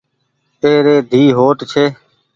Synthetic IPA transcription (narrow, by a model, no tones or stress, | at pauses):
t̪eːɾeːd̪ʱiːɦoːʈt͡ʃʰeː